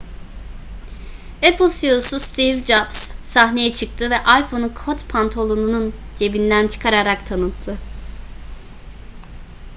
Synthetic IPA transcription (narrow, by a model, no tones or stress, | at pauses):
epʰlˠsiosust̪ʰivd͡ʒabsːaɦne̞jɛt͡ʃʰɯk̚t̪ʰɯvɛʔajfo̞nukʰot̪pʰant̪ʰo̞lˠonunund͡ʒe̞bind̪ænt͡ʃʰɯ̥kʰaɾaɾakt̪ʰanɯt̪ʰːɯ